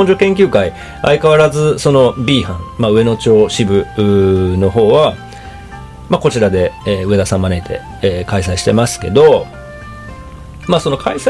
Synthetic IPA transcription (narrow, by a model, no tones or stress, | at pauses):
õɲ̟d͡ʑokẽ̞ŋk̬ʲɨːkai | a̰ikaβaɾazɨso̞no̞bʲiːhãŋmaɯ̟e̞no̞t͡ɕo̞ːɕibɯ̟no̞ɦo̞ːβa | mako̞t͡ɕiɾad̪e̞ːɯ̟e̞d̪asãmːane̞it̪ʰe̞̰ | eːkaisaiɕi̥t̪e̞masɨ̥ke̞d̪o̞ | maːso̞no̞kais